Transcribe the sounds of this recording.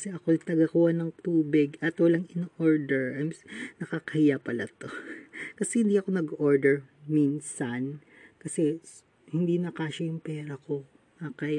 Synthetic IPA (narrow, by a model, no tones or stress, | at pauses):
kɐsɛʔɐko̞jt̪ɐɡakuhɐnɐŋt̪uːbɪɡɐt̪wɐlaŋɪnoʔoɹd̪ɛɹʔɐjmnɐkakɐhɪjapɐlɐt̪o̞kɐsɛhɪ̃nd̪iʔɐko̞nɐɡʔoɹd̪ɛɹmiːnsan | kɐsɛ | hɪnd̪inɐkaːʃɐjʊŋpɛːɾɐko̞ | ɐkaj